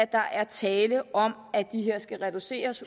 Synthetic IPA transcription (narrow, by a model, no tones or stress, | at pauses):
d̥ɑ̈ʔæɐt͡sʰɛːləʔɒ̽mæd̥iɦe̝ɐ̰sɡ̥æʁɛd̥use̝̰ːɐs